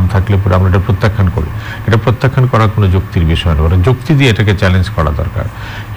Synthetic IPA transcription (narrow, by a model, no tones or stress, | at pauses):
mt̪ʰaklep̬uɾeamɾaeʈapɾot̪ːakʰːanko̰ɾḭ | eʈapɾot̪ːakʰːankɔɾakonod͡ʑokt̪iɾbiʃɔenabɔɾed͡ʑokt̪id̪ieeʈaket͡ɕɛlend͡ʑkɔɾa̰d̪ɔ̰ɾka̰ɾ